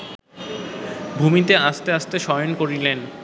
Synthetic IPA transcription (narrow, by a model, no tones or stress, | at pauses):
bʱumit̪eaʃt̪eaʃt̪eʃɔjonkoɾilen